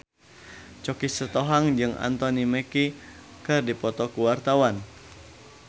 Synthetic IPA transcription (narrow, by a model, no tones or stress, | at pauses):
t͡ʃɔkisət̪ɔɦaŋd͡ʒɨŋa̰nt̪ɔnimɛki | kɨrdipɔt̪ɔkuwart̪awan